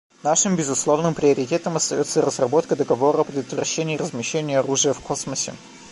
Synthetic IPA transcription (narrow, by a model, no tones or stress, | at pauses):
naʂɨmbʲɪzʊslˠo̞vnɨmpɾʲɪəɾʲɪtʲe̞t̪əmɐst̪ɐjo̞t̪səɾəzrɐbo̞t̪kəd̪əɡɐvo̞ɾəɐpɾʲɪd̪ət̪vrɐ̰ɕːenʲɪːrəzmʲɪɕːenʲɪjəɐɾuʐɨjəfkʰosməsʲɪ̰